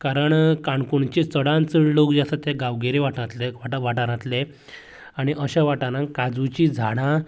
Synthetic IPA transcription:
kaɾəɳkãɳkuɳt͡ɕit͡səɽãnt͡səɽlokd͡ʑasat̪eɡaʋɡeɾiʋaʈat̪leʋaʋaʈaɾãt̪le | aɽ̃iʔəɕaʋaʈaɾãŋkad͡zut͡ɕid͡zʱaɽ̃ã

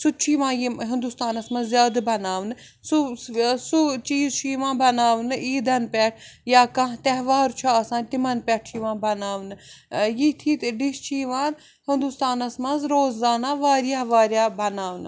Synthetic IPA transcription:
sut͡ʃʰiːʋãːjiɦɪnd̪ust̪aːnɐsmɐnzzjaːd̪bɐnaːʋnɨ | susut͡ʃiːzt͡ʃʰiʋãːbɐnaːʋnɨiːd̪ɐnpʲɛʈʰ | jaːkɐ̃ɦt̪ɛɦʋaːɾt͡ʃʰuɐsãːnt̪imɐnpʲɛʈʰt͡ʃʰiʋãːbɐnaːʋnɨjit̪ʰiːt̪ɖiʃt͡ʃʰiːʋãːn | hind̪ust̪aːnɐsmɐzɾoːzzaːnaːʋaːɾjaːʋaːɾjaːbɐnaːʋnɨ

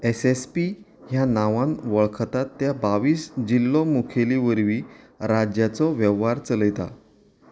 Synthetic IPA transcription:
esespi | ɦjanaʋãnʋəɭkʰt̪at̪ːjabaʋiːsd͡ʑilːɔmukʰeliʋəɾʋiː | ɾad͡ʑjat͡sɔʋɛʋaɾt͡sələjt̪a̰

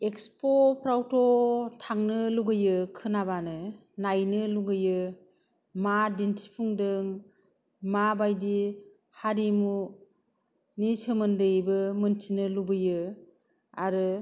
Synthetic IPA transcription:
ekspopɾawtʰɔtʰaŋnɯluɡɯjɯkʰɯnabanɯ | najnɯluɡɯjɯ | madintʰi̥pʰuŋdɯŋ | mabajdi | haɾimu | nisɯmɯndɯjbɯmɯntʰinɯlubɯjɯ | aɾɯ

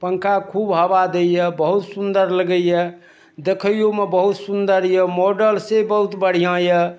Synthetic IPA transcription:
pəŋkakʰubɦəbad̪ejəbəɦut̪sund̪əɾləɡəjə | d̪ekʰəjjomebəɦut̪sund̪əɾjəmoɖəlsebəɦut̪bəɽ̤ijãjə

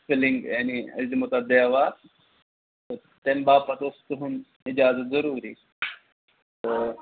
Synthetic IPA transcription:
filiŋɡjaniɐ̰zimot̪ad̪eːʋa | t̪o | t̪embaːpɐt̪ost̪uɦun | id͡ʒaːzɐt̪zəɾuːɾiː | t̪o

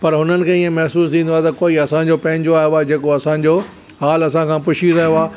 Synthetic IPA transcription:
pɐɾɦʊnənɪ̆kʰeːiẽmɛɦsuːst̪ʰĩːnd̪oaːt̪ɐkoːiɐsãɲd͡ʑopɐ̃ɪ̃ɲd͡ʑoaːjoaːd͡ʑeːkoɐsãːɲ̆d͡ʑo | ɦaːlɐsãkʰãːpʊʃizaːjoaː

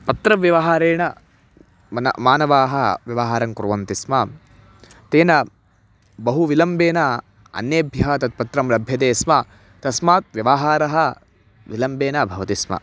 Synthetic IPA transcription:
pɐt̪ɾɐʋjɐʋɐɦaːɾeːɳɐ | ɐnɐ̰maːnɐʋaːɦɐʋjɐʋɐɦaːɾɐŋkuɾʋɐnt̪ismɐ | t̪eːnɐ | bɐɦuʋilɐmbeːnɐ | ɐ̰njeːbʱjɐɦɐt̪ɐt̪̚pɐt̪ɾɐmlɐbʱjɐt̪eːsmɐ | t̪ɐsmaːt̪̚ʋjɐʋaɦaːɾɐɦɐ | ʋilɐmbeːnɐbʱɐʋɐt̪ismɐ̰

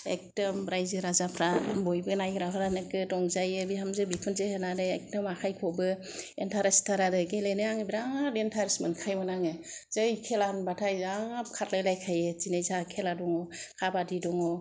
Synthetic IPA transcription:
ḛk̚tɯmbɾajzɯɾazapʰɾabɔjbɯnajɡɾaɦaɾanɯkɯtɔŋzajebihamzɯbikʰunzehɯnaɾɯek̚tɯmakʰajkʰɔbɯ | entʰaɾastʰaɾadɯkejlajnɯaŋɯbiɾaŋɾentʰaɾsmɯnkʰajmɯnaŋɯz̥ɯjkʰelanbatʰajaŋb̚kʰatlajlajkʰajɯzinajzakʰeladɔŋɔkʰabadidɔŋɔ

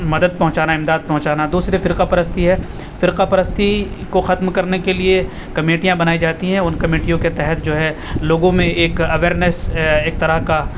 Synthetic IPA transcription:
mɐd̪əd̪̚pɐɦʊ̃t͡ʃaːnaɪ̃md̪aːd̪̚pɐɦʊ̃t͡ʃaːnad̪uːsɾefɪɾqapɐɾəst̪iɦɛː | fɪɾqapɐɾəst̪ikoxɐt̪mkɐɾnekelie | kɐmeːʈijãbɐnaːid͡ʒaːt̪iɦɛ̃ʊnkɐmeːʈijõket̪ɛɦɛt̪̚d͡ʒoːɦɛloːɡõmẽeːkɐʋeːɾnəseːk̚t̪ɐɾəɦka

